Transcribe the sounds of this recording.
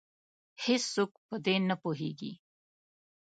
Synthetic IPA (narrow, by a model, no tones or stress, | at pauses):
hɪsːok̚pəd̪enəpoɦeɡḭ